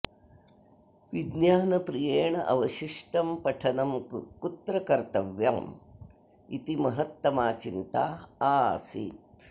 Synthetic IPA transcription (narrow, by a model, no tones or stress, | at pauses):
ʋid̪njaːnɐpɾijeːɳɐʔɐʋɐʃiʂʈɐmpɐʈʰɐnɐmkut̪ɾɐkɐɾt̪ɐʋja̰ːm | it̪imɐɦɐt̪ːɐmaːt͡ʃint̪aːaːsḭːt̪̚